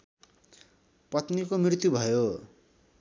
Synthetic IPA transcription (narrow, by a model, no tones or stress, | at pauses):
pʌt̪nikomrirt̪jubʱʌjo